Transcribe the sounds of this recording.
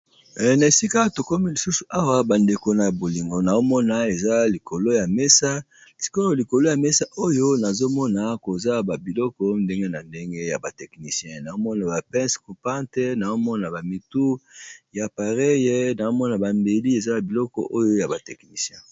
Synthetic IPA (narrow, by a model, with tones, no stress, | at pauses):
na˨e˨si˦ka˦to˨ko˦mi˦li˨su˦su˨ʔa˦wa˦ba˨nde˨ko˨na˨bo˨li˨ŋɡo˨na˨o˦mɔ˦na˨e˨za˦li˨kʰo˨lo˦ja˨me˦sa˦˨ | si̥˦ko˦o˦li˨ko˨lo˦ja˨me˦sa˦ʔo˦jo˦na˨zo˦mɔ˦na˨ko˨za˦ba˨bi˨lɔ˦kɔ˦nde˦ŋɡe˦na˨nde˦ŋɡe˦ja˨ba˨tɛ˨kni˨sjɛ̃˦na˨zo˦mɔ˦na˨ba˨pɛ̃˦sku˨pã˦te˦na˨o˦mɔ˦na˨ba˨mi˨tu˦ja˨pa˨ʁe˦je˦na˨zo˦mɔ˦na˨ba˨mbe˨li˦e˨za˦a˨bi˨lɔ˦kɔ̰˨ʔo˦jo˦ja˨ba˨tɛ˨kni˨sjɛ̃˦